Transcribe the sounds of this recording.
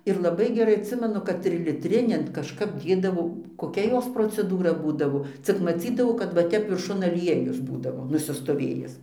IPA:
ɪr lˠɐˈbɐɪ ɡʲɛˈrɐɪ ɐtʲˈsʲɪmʲɛnʊ kɐt tʲrʲɪlʲɪˈtʲrʲɪnʲɛn kɐʃˈkɐp ˈdʲeːdɐʋoː koːˈkʲɛ ˈjoːs proːt͡sʲɛˈduːrɐ ˈbuːdɐʋoː ˈt͡sʲɪk mɐˈt͡sʲiːdɐʋɐʊ kɐt ʋɐ ˈtʲɛp ʋʲɪrˈʃʊn ɐˈlʲiɛjʊs ˈbuːdɐʋoː nʊsʲɪstoːˈʋʲeːjɪs

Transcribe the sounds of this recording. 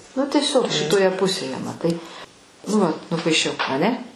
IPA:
nʊ tʲiɛˈsʲoːk ʃʲɪtoːˈjɛ ˈpʊsʲeːjɛ mɐˈtɐɪ nʊ ˈʋɐt nʊpɐɪˈʃʲɛʊ ɐˈnʲɛ

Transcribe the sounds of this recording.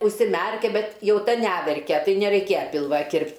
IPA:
ʊʃʲsʲɪˈmʲærʲkʲɛ ˈbʲɛt ˈjɛʊ ˈtɐ ˈnʲæʋʲɛrʲkʲɛ ˈtɐɪ nʲɛrʲɛɪˈkʲeːjɛ ˈpʲɪlˠʋɐ ˈkʲɪrʲpʲtʲ

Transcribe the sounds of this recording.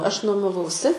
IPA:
ˈɐʃ nuɔmɐˈʋɐʊsʲɪ

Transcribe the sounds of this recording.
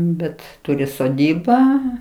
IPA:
ˈbʲɛt ˈtʊrʲɪ soːˈdʲiːbɑː

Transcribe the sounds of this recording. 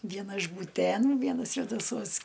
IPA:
ˈʋʲiɛnɐ ɪʃ buːˈtʲeːnuː ˈʋʲiɛnɐ sʲʋʲɛdɐˈsuɔs

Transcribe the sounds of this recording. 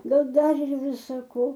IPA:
ˈɡɐlˠ ˈdɐr ɪr ˈʋʲɪsɐ ˈkoː

